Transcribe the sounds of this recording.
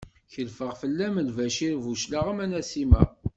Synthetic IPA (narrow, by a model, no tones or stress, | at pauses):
çəlfəʁfəlːæməlvæʃiɾvuʃlaʁəmænæsimæ